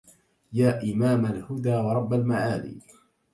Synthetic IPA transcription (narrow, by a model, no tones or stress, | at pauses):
jaːʔɪmaːmalhʊd̪aːwɑɾˤɑbːalmaʕaːlḭː